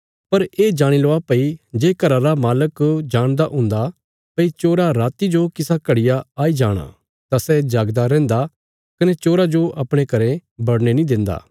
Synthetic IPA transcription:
pɐɾeːd͡ʒaːɽ̃iloapɐid͡ʒeːkɐɾaɾamaːləkd͡ʒaːɽ̃d̪aʔʊ̃ːnd̪a | pɐit͡ʃoːɾaɾaːt̪id͡ʒokɪsakɐɽɪjaaːid͡ʒaːɽ̃a̰ | t̪asɛd͡ʒaːɡd̪aɾɛ̃ːnd̪a | kɐnɛt͡ʃoːɾad͡ʒoʔɐpɽ̃ẽkɐɾẽbɐɽñenĩd̪ɪ̃nd̪a̰ː

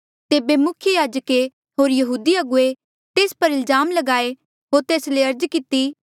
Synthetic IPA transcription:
t̪eːbemʊkʰjəjaːd͡ʒəke | ɦoːɾjɐɦuːd̪iɐɡʊe | t̪eːspɐɾɪlzaːmlɐɡaːe | ɦoːɾt̪eːsleɐɾd͡ʒkɪt̪i

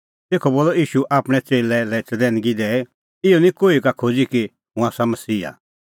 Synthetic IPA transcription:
t̪eːkʰɔboːlɔiːʃuʔaːpɽ̃ɛt͡ʃeːlɛlɛɪt͡səd̪ɛ̃ːnɡid̪ɛː | ɪɔnĩkoːikakʰod͡ziki | ɦũaːsamɐsiːa̰

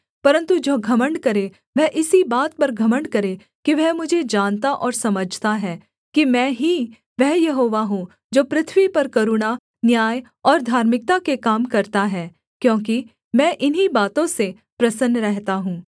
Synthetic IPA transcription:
pɐɾə̃nt̪ud͡ʒoːɡʱɐməɳɖkɐɾe | ʋɛɦʔɪsibaːt̪̚pɐɾɡʱɐməɳɖkɐɾe | kiʋɛɦmʊd͡ʒʱed͡ʒaːnt̪aʔɔːɾsɐməd͡ʒʱt̪aɦɛː | kimɛ̃ːɦi | ʋɛɦjɐɦoːʋaɦũ | d͡ʒoːpɾɪt̪ʰʋipɐɾkɐɾuɳa | njaːj | ɔːɾd̪ʱaːɾmɪk̚t̪akekaːmkɐɾt̪aɦɛː | kjõːki | mɛ̃ːʔɪnɦibaːt̪õse | pɾɐsənɾɛɦt̪aɦũː

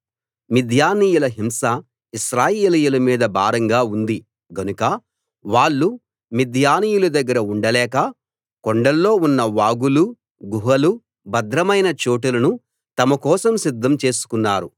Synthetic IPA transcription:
mid̪ʱjaːniːjulɐɦimsɐ | iʃɾaːjeːlijulɐmiːd̪ɐbʱaːɾɐŋɡaːund̪i | ɡɐnukɐ | ʋaːɭːu | mid̪ʱjaːniːjulud̪ɐɡːɐɾɐuɳɖɐlɛːkɐ | koɳɖɐlːo̞ːunːɐʋaːɡulu | ɡuɦɐlu | bɐd̪ɾɐmɐjnɐt͡ʃoːʈ̬ulɐnu | t̪ɐmɐkɔːsɐmsid̪ʱːɐmt͡ʃe̞ːsu̥kunːaːɾu

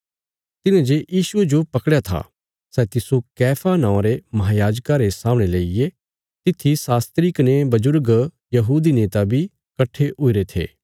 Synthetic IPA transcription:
t̪ɪnãd͡ʒejiːsʊed͡ʒopɐkɽjat̪ʰa̰ | sɛt̪ɪsokɛːpʰanãːõɾemɐɦaːjaːd͡ʒkaɾesãːmɽ̃eleije | t̪ɪt̪ʰːisaːst̪ɾikɐnebɐd͡ʒʊɾɡ | jɐɦuːd̪ineːt̪abʱi | kɐʈʰːeɦʊiɾet̪ʰḛː

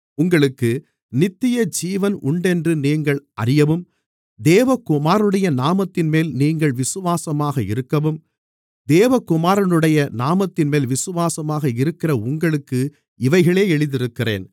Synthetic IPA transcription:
ʊŋɡɐɭɯkːɯ | nɪt̪ːɪjɐd͡ʒiːʋɐnʊɳɖɛndrɯniːŋɡɐɭʔɐ̰ɾɪjɐʋɯm | d̪eːʋɐkʊmaːɾɯɽɐjɐnaːmɐt̪ːɪnmeːlniːŋɡɐɭʋɪsɯʋaːsɐmaːɣɐɪ̰ɾɯkːɐʋɯm | d̪eːʋɐkːʊmaːɾɐnɯɽɐjɐnaːmɐt̪ːɪnmeːlʋɪsɯʋaːsɐmaːɣɐɪɾɯkːɪrɐʊŋɡɐɭɯkːɯ | ɪʋɐɪɣɐɭeːɛɭɯðɪɾɯkːɪrḛːn

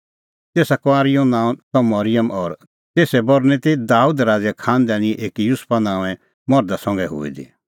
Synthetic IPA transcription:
t̪eːsakɔaːɾɪjõnãːt̪ɔ̃mɐɾɪjəmʔɔɾ | t̪eːsɛbɔɾnɛt̪id̪aːuːd̪ɾaːd͡zɛkʰaːnd̪ɛːɽ̃iʔeːkjʊspanãːɛ̃ | mɔɾd̪asɔ̃ŋɡɛɦo̰ːḭd̪ḭ

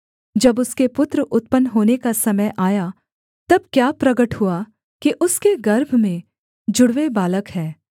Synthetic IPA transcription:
d͡ʒɐbʊskepʊt̪ɾəʔʊt̪̚pənːɦoːnekasɐməjʔaːja | t̪ɐb̚kjaːpɾɐɡəʈɦua | kiʔʊskeɡɐɾbʱmẽ | d͡ʒʊɽʋebaːləkɦɛː

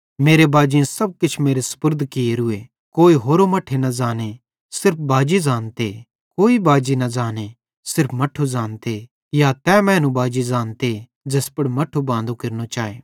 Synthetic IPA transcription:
meːɾebaːd͡ʒijãsɐb̚kɪt͡ʃʰmeːɾesɐ̥pʊɾd̪ʱkɪeɾʊe | koːiɦoːɾomɐʈʰenɐzaːne | sɪɾp̚ʰbaːd͡ʒizaːnt̪e | koːibaːd͡ʒinɐzaːne | sɪɾpʰmɐʈʰuzãːnt̪e | jat̪ɛmɛ̃ːnũbaːd͡ʒizaːnt̪e | d͡ʒɐspɐɽmɐʈʰubãːnd̪okɪɾnot͡ʃaːḛː

